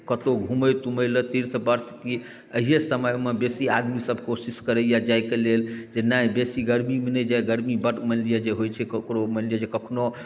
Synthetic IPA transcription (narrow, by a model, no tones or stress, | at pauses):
kət̪oɡʱuməjt̪uməjlət̪iɾt̪ʰbəɾt̪ʰki | əɦijesəməjmebesiad̪misəbʱkosiskəɾəjad͡ʒajkeleld͡ʒenajbesiɡəɾmimenɛd͡ʒajɡəɾmibəʈmənlijed͡ʒeɦojt͡ʃʰɛkəkɾoməlijed͡ʒekəkʰno